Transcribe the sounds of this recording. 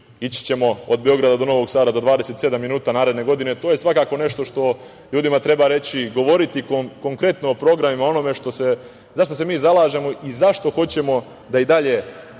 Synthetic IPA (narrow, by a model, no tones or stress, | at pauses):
it͡ɕi̥t͡ɕe̞mo̞od̪̚beo̞ɡɾad̪ad̪o̞no̞ʋo̞ɡsaːd̪azad̪ʋaːd̪e̞se̞t̪se̞d̪amːinuːt̪anaːɾed̪ne̞ɡo̞d̪inet̪o̞ːje̞sʋakaːko̞ne̞ʃt̪o̞ʃt̪o̞ | ʎuːd̪imat̪ɾe̞baɾe̞t͡ɕiɡo̞ʋo̞ɾit̪ikoko̞ŋkɾe̞t̪noopɾo̞ɡɾamimao̞no̞me̞ʃt̪o̞se̞ | zaʃt̪os̬e̞miːzalaːʒe̞mo̞ʔizaʃt̪o̞xo̞t͡ɕe̞mo̞ | d̪aid̪aʎe̞